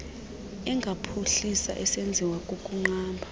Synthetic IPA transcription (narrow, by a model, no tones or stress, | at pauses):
ɛŋɡʱapʰuɬisa̰ʔɛsend͡zʱiwakʼokʼuŋ͡ǃaːmbʱa